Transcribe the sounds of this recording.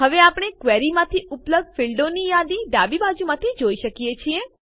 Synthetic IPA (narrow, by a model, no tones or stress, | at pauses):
ɦəʋeapɽ̃ekʋeɾimãt̪ʰiʊpləb̚d̪̚fɪɭɖonijad̪iɖabibad͡ʒumãt̪ʰid͡ʒoiʃəkiet͡ʃʰie